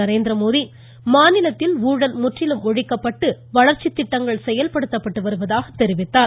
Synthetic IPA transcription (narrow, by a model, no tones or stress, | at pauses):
ɐɾeːnd̪ɪɾɐmoːði | maːnɪlɐt̪ːɪluːɻɐnmʊʈrɪlɯmɔɻɪkːɐpːɐʈːɯ | ʋɐɭɐɾt͡ʃːɪt̪ːɪʈːɐŋɡɐɭsɛjɐlpɐɽɯt̪ːɐpːɐʈːɯʋɐɾɯʋɐðaːɣɐt̪ːɛɾɪʋɪt̪ːaː